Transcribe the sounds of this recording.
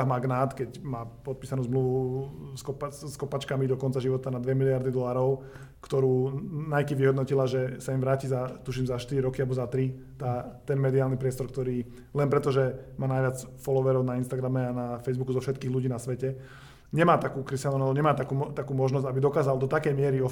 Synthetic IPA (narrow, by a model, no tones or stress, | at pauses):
ɦmaɡnaːt̪kɛcmaːpɔt̪̚piːsanuːzmluʋuskɔpaskɔpaːt͡ʃkamid̪ɔkɔnt͡saʒiʋɔt̪anad̪ʋɛmilɪaɾd̪id̪ɔlaːɾɔʊ | kt̪ɔɾuːnajkiʋiɦɔd̪nɔcilaʒɛsaimʋɾaːciːzat̪uʃ̬iːmzaʃt̪iɾiɾɔkialbɔzat̪ɾi | t̪aːt̪ɛnmɛd̪iaːlnipɾɪɛst̪ɔɾk̚t̪ɔɾiː | lɛnpɾɛt̪ɔʒɛmaːnajʋɪat͡sfɔlɔʋɛɾɔʊnainst̪aɡɾamɛanafɛjzbukuzɔfʃɛt̪̚kiːɣluɟiːnasʋɛcɛ | ɲɛmaːt̪akuːkɾist̪anubɔɲɛmaːt̪akuːt̪akuːmɔʒnɔzɟabid̪ɔkaːzald̪ɔt̪akɛjmɪɛɾiɔ